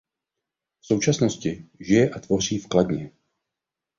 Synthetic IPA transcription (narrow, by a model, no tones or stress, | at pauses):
fso̞wt͡ʃasno̞scɪʒɪjɛʔat̪vo̞r̝iːfkladɲɛ